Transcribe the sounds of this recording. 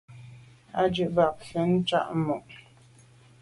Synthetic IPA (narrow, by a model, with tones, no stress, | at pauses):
a˦d͡ʒʉ˨ʔba˨p̚sə˨˦n̩˦t͡ʃa̰˦ʔmu˨ʔ